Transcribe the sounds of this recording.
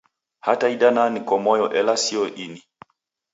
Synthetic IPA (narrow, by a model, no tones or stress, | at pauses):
hataiɗananikɔmɔjɔʔɛlasiɔʔini